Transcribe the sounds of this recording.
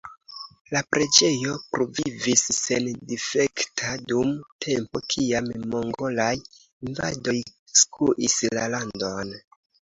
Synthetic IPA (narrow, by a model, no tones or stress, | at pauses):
lapɾe̞d͡ʒe̞jo̞pɾo̞vivisːendife̞ktʰadumtʰe̞mpo̞kʰiammo̞ŋɡo̞laj | inva̰do̞jskuʔislalando̞n